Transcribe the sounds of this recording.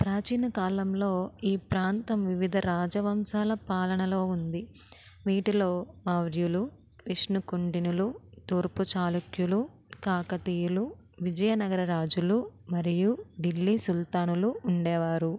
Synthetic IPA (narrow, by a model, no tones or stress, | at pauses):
pɾaːt͡ʃiːnɐkaːlɐmlo̞ːiːpɾaːnt̪ɐmʋiʋid̪ʱɐɾaːd͡ʒɐʋɐmsaːlɐpaːlɐɳɐlo̞ːund̪i | ʋiːʈilo̞ːmɐʋɾjulu | ʋiʂnukoɳɖinulut̪oːɾput͡ʃaːlukjulu | kaːkɐt̪iːjulu | ʋid͡ʒɐjɐnɐɡɐɾɐɾaːd͡ʒulumɐɾijuɖilːisult̪aːnuluuɳɖɛːʋaːɾu